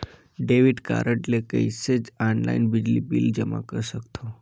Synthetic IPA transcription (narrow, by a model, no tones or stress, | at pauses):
ɖeʋiɖka̰ɾəʈlekəised͡zɔnla̰inbid͡ʑlḭbḭld͡ʑəma̰kəɾsəkt̪ʰo